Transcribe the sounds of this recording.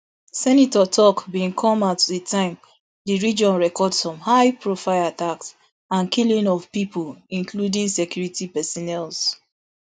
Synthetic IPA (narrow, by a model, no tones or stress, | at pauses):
sɛnitɔtʰɔkbĩnkʰɔ̃matditʰãɪ̃m | diɹid͡ʒɔ̃nɹɛkɔdsɔ̃mhaɪpɹofaɪlataks | ãnkilĩnɔvpipulĩnkludĩŋsɛkjuɹitipɛsɔnɛls